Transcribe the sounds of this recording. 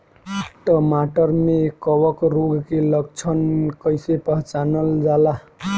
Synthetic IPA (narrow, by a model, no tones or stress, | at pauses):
ʈəmaʈəɾmekɔwəkɾoɡkeləɡt͡ʃʰənkəjsepəɦt͡ʃanəld͡ʒala